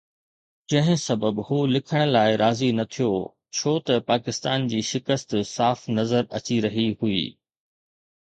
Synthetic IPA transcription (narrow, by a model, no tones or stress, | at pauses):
d͡ʑɐ̃ɦɪ̃sɐbəbhuːlɪkʰəɽ̃̆laːɪɾaːzinɐt̪ʰijo | t͡ɕʰoːt̪ɐpaːkɪst̪aːnd͡ʑiːʃɪkəst̪saːfnɐzəɾɐ̰t͡ɕiɾɐɦihuḭː